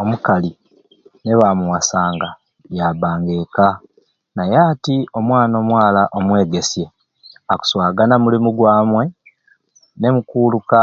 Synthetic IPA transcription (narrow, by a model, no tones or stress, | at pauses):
omukali | ne̞βamuwasaːŋɡa | jabaːŋɡe̞ːka | najaːtio̞mwaːno̞ːmwaːlaʔomwe̞ːɡe̞sje̞ | aku̥swaːɡanamulimuɡwaːmwe̞ | ne̞mukuːluka